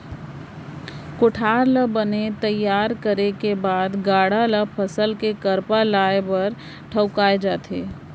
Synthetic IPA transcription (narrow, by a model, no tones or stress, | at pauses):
koʈʰaːɾləbənet̪əjːaːɾkəɾekebaːd̪ɡaːɽaləpʰəsəlkekəɾpalaːebəɾ | ʈʰəʊkaːed͡ʒaːt̪ʰeː